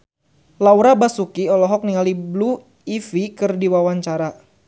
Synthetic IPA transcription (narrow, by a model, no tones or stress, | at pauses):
lawɾabasukiɔlɔɦɔk̚niŋaliblu | ifikɨrdiwawaɲt͡ʃaɾa